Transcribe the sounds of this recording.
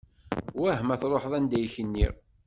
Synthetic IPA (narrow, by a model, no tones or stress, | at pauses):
wæhmæθɾˤoħðˤænd̪æjçənːḭ